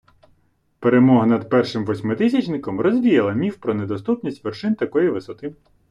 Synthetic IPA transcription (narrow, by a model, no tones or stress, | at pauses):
peɾemɔɦɐnɐd̪pɛrʃɪmʋɔsʲmɪt̪ɪsʲɐt͡ʃnɪkɔmrɔzʲʋʲijɐlˠɐmʲiwpɾɔned̪ɔst̪upnʲisʲtʲʋerʃɪnt̪ɐkɔjiʋɪsɔt̪ɪm